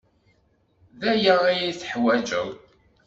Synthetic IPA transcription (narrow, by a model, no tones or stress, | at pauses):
ðæjəijiθə̥ħwæd͡ʒə̰w